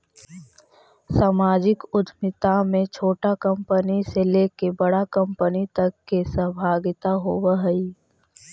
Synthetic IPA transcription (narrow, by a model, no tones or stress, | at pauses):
saːmaːd͡ʒɪkʊd̪ʱmɪt̪amẽt͡ʃʰoːʈakɐ̃mpəniseleːkebəɽakə̃mpənit̪ɐkːesəbʱaːɡɪt̪aɦoːwaɦəi